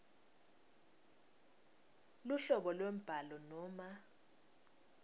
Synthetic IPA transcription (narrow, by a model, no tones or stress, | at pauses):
luɬɔɓɔlwem̩b̥ʱalɔnɔːma